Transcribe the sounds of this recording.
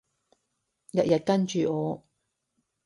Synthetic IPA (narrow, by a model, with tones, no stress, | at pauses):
jɐ˨t̚jɐ˨t̚kɐ˥nt͡ʃyː˨ɔː˨˧